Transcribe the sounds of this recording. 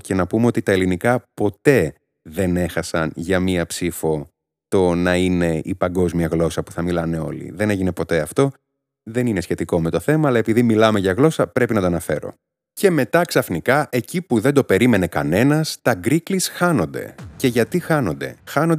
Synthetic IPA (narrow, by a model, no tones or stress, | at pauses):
cenɐpumeo̞t̪it̪ɐelinikɐpo̞t̪e̞ | ðe̞ne̞xɐsɐnʝɐmiɐpsifo̞ | t̪o̞nɐine̞ipɐŋɡo̞zmiɐɣlo̞sɐpu̥θɐmilɐne̞o̞̰lḭðe̞ne̞ʝine̞po̞t̪e̞ɐft̪o̞ | ðe̞nine̞sçe̞t̪iko̞me̞t̪o̞θe̞mɐːlɐe̞piðimilɐme̞ʝɐɣlo̞sɐpɾepinɐt̪oɐnɐfe̞ɾo̞̰ | ce̞me̞t̪ɐksɐfnikɐʔe̞cipuðe̞nd̪o̞pe̞ɾime̞ne̞kɐne̞nɐst̪ɐɡɾiklisxɐno̞nd̪e̞̰ce̞ʝɐt̪ixɐno̞nd̪e̞xɐno̞nd̪